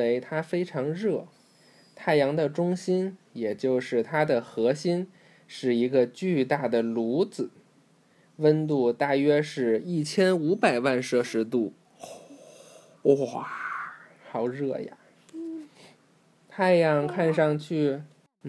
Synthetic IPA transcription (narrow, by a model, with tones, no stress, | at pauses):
e˧˥ɪt̪ʰa˥fe˥ɪʈ͡ʂʰɑ˧˥ŋɻɤ˥˩ | t̪ʰa˥˩ɪjɑ˧˥ŋd̪ə˧ʈ͡ʂʊ˥ŋɕi˥njɛ˨˩t͡ɕjo˥˧ʊʂɻ̩˥˩t̪ʰa˥d̪ə˨xɤ˧˥ɕi˥n | ʂɻ̩˥˩i˧˥ɡə˧t͡ɕy˥˧t̪a˥˩d̪ə˩lu˧˥d͡zɹ̩˨˩˦ | wə˥nt̪u˥˧t̪a˥˩ɥɛ˥ʂɻ̩˥˧i˥˩t͡ɕʰjɛ˥nu˧˥pa˨˩ɪwa˥˧nʂɤ˥˧ʂɻ̩˧˥t̪̬u˥˩ | ɔ˥˩ | xɑ˨˧˩ʊɻɤ˥˩ja̰˩ | t̪ʰa˥˩ɪjɑ˧˥ŋkʰa˥˧nʂɑ˥˧ŋt͡ɕʰy˥˩